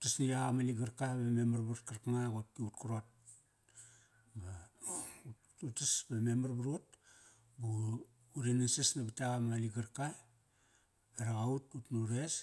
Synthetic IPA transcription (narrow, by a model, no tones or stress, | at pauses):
utasniaɣamaliɡaɾkabamemaɾbuɾutkaɾkaŋaɡot̚kiutkuɾot̚ | ba | utasbamemaɾbuɾut̚ | buː | ɾenansesnabitaɣamaliɡaɾka | eɾaɡaututnuɾes